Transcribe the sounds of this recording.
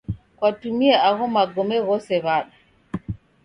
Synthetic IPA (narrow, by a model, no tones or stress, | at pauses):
kwatumiɛaɣɔmaɡɔmɛɣɔsɛβaɗa